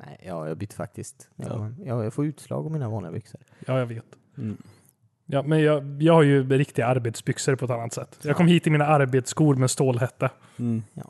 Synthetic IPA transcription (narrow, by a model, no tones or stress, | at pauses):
nɛ̰ɪjɑːjɑ̰ɡbʏt̪ːfa̰k̚t̪ɪst̪ːnjɑjɑɡfoːʉ̟ːt̪slɑ̰ːɡɔmiːnavɑːnɪɡa̰bʏksəɾ | jɑːjɑveːt̪ | jɑːmɛnjɑjɑːɡhaɾjɵɾɪkt̪ɪɡaaɾbeːt̪sbʏksəɾpʰɔɛt̪anːat̪sɛt̪ːjɑɡkʰɔmːhiːt̪ːɪlmiːnaaɾbeːt̪skuːɾmɛst̪oːlɦɛt̪ːə̰